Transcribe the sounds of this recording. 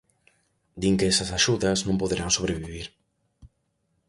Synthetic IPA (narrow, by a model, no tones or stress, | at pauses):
d̪iŋkeɛsɐsaʃuðɐznõmpoðeɾʔaŋsoβɾeβiβiɾ